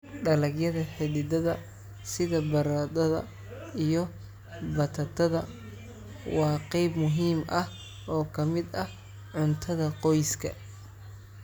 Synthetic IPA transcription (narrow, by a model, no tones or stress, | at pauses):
ɖɐlɐɡjɐðɐħɪðɪd̪ɐðɐ | sɪðɐbɐɾɐd̪ɐðɐ̰ | ijɔ | bɐt̪ʰɐt̪ʰɐðɐ | wɑːqɛjbmʊɦiːmʔɐh | ʔɔːkʰɐmɪd̪ɐh | ʕʊnt̪ʰɐðɐqɔjskʰɐ̰